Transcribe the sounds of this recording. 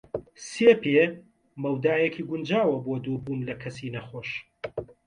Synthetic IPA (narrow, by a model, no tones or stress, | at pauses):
seːpe | mɐwd̪aːjekʰiːɡʊnd͡ʒaːwɐbod̪ubuːnlɐkʰɐsiːnɐxoːʃ